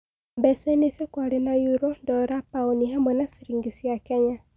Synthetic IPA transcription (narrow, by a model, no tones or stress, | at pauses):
mbɛsɛnesekwaɾenajuɾɔndɔɾapaunihamɔnasiɾiŋɡisjakeɲa